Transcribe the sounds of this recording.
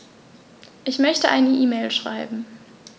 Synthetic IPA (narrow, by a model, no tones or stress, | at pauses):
ʔɪçmœçtəʔaɪnəʔiːmeːlʃʁ̥a̰ɪbm̩